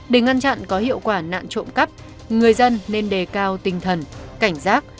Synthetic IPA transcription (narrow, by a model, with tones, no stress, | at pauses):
ɗe˧˩ŋa˧nt͡ɕa̰˧˨nkɔ˨˦hḭ˧˨əwkwaː˧˩na̰ː˧˨nt͡ɕo̰˧˨mkə˦˥p̚ | ŋɨ˨˩əjzə˧nːe˧nɗe˨˩kaː˧wt̪ï˨˩ŋ̟t̪ʰə˨˩nka˧˩jŋ̟zaː˦˥k̚